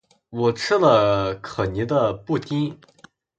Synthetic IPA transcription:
wɔ˨˩ʈ͡ʂ̩ʰ˥lə˨˧kʰɤ˨˩ni˧˥d̪ə˧pu˥˩t̪i˥n

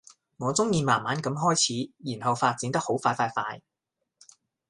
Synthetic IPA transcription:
ŋɔː˨˧t͡sʊ˥ŋjiː˧maː˨˩nmaː˨˥nkɐ˨˧˥mɦɔː˥jt͡sʰiː˨˥jiː˨˩nhɐ˨wfaː˧t̚t͡si˨nt̪ɐ˥k̚ho˨˥wfaː˧jfaː˧jfaː˧j

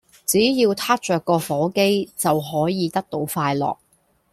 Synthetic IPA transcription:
t͡siː˨˥jiː˧wt̪ʰaː˥t̚t͡ʃœː˨kːɔː˧fɔː˨˥ke˥jt͡sɐ˨wɦɔː˨˥jiː˨˧t̪ɐ˥k̚t̪o˧wfaː˧jlɔ̰ː˨˩k̚

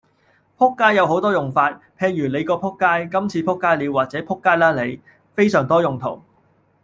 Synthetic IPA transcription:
pʰʊ˥kːaː˥jːɐ˨˧wɦo˨˥wt̪ɔː˥jʊ˨˩ŋfaː˧t̚pʰeː˨ŋjyː˨˩le˨˧jkɔː˧pʰʊ˥kːaː˥jkɐ˥mt͡sʰiː˧pʰʊ˥kːaː˥jliː˨˧waː˨t̚t͡sɛː˨˥pʰʊ˥kːaː˥jlaː˥le˨˧j | fe˥jsœː˨˩ŋt̪ɔː˥jʊ˨˩ŋt̪ʰo̰˨˩w

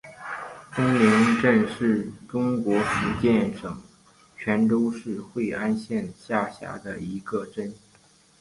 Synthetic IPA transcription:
fə˥ŋlɛ˧˥nʈ͡ʂə˥˧nʂɻ̩˥˩ʈ͡ʂʊ˥ŋkwɔ˧˥fu˧˥t͡ɕjɛ˥˩nʂɤ˨˩˦ŋ | t͡ɕʰɥɛ˧˥nʈ͡ʂo˥ʊʂɻ̩˥˧xwe˥˧ɪʔa˥nɕjɛ˥˧nɕja˥˩ɕja̰˧˥d̪ə˧i˧˥ɡ̥ə˧ʈ͡ʂə˥n

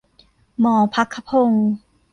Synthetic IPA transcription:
mɔː˨˩pʰa˦˥kʰːa˧˩pʰo˧ŋ

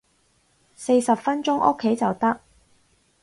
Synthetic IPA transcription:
se˧jsɐ˨pfɐ˥nt͡ʃʊ˥ŋʔʊ̰˥kʰːe˨˥jt͡sɐ˨wt̪ɐ˥k̚

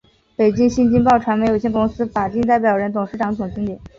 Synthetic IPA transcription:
pe˨˩ɪt͡ɕi˥ŋɕi˥nt͡ɕi˥ŋpɑ˥˩ʊʈ͡ʂʰwa˧˥nme˧˥ɪjo˨˩ɕjɛ˥˧ŋkʊ˥ŋsɹ̩˥fa˨˩t͡ɕi˥˧ŋt̪̬a˥˩ɪp̬jɑ˨˩ʊɻə˧˥nt̪ʊ˨˩ŋʂɻ̩˧˥ʈ͡ʂɑ˧˥ŋt͡s̪ʊ˨˩ŋt͡ɕi˥ŋt̪jɛ˨˩˦n

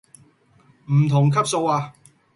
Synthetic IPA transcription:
m̩˨˩t̪ʰʊ˨˩ŋkʰɐ˥p̚so˧waː˧

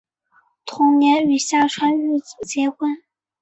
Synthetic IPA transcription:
t̪ʰʊ˧˥ŋnjɛ˧˥ny˨˩ɕja˥˩ʈ͡ʂʰwa˥ny˥˩t͡s̩˨˩t͡ɕjɛ˧˥xwə˥n

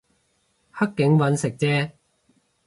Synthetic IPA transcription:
hɐ˥kːɪ˨˧˥ŋwɐ˨˧˥nsɪ˨k̚t͡sɛː˥

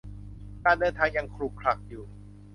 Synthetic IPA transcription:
kaː˧ndɤː˧nt̪ʰaː˧ŋja˧ŋkʰɾu˧˥˩kʰɾa˨˩k̚juː˨˩

